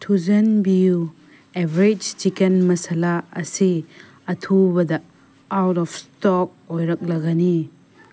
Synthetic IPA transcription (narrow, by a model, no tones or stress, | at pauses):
tʰuzɐnbiu | ebɾed͡ʒt͡ʃikenmɐsalaɐ̰si | ɐtʰubɐdɐ | awtɔpʰstɔk̚ojɾɐk̚lɐɡani